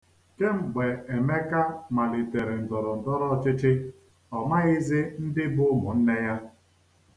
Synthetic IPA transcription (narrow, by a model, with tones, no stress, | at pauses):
ke˦ŋ͡m̩˨ɡ͡be˨e˨me˦ka˦ma˨li˨te˨ɾe˨n̩˨tɔ˨ɾɔ˨n̩˨tɔ˦ɾɔ˦t͡ʃɪ˦t͡ʃɪ˦ | ɔ˨ma˦ɣɪ˦zɪ˦n̩˦dɪ˦bʊ˦mʊ˨n̩˦ne˦ja˦